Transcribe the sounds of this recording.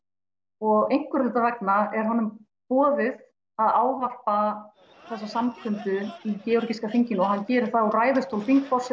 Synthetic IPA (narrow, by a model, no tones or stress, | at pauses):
ɔɣejŋ̥kvʏɾɪt̪avɛknaɛɾ̥ɦanːʏm | pɔːðɪð | aðaːwvar̥pa | θɛsːasamkʰʏmt̪ʏicɛɔɾciskafiɲcɪnɔɣhancɛːɾɪɾ̥θaɔraːjðʏst̪ʰowlfiŋkfɔrsɛ